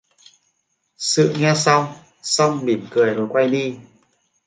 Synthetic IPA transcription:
sɨ̰˧˨ŋɛ˧sa˧wŋ͡m | sa˧wŋ͡mɓi˨˩˦mkɨ˨˩əjno˨˩jkwa˧jɗi˧

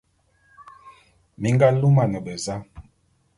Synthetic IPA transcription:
mi˨˦ŋɡa˦lu˦ma˨nɛ˨bɛ˨za˦

